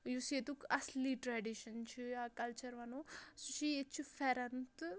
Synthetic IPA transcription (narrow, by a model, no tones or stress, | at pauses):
juset̪ukɐsliʈɾaɖiʃɐnt͡ʃʰujakɐlt͡ʃɐɾʋɐnosut͡ʃʰiet͡ʃʰufeɾɐnt̪